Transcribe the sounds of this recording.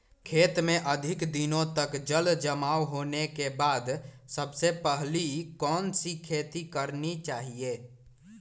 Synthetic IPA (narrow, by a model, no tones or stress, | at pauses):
kʰeːt̪mẽʔəd̪ʱɪkd̪ɪnõt̪əkd͡ʒəld͡ʒəmaːwɦoːnekebaːd̪səbsepəɦlikɔːnsikʰeːt̪ikəɾnit͡ʃaːɦieː